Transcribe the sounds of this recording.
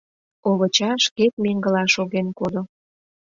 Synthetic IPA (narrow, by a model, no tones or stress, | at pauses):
oβət͡ɕɑʃket̪̚meŋɡə̆lɑʃoɣenkod̪o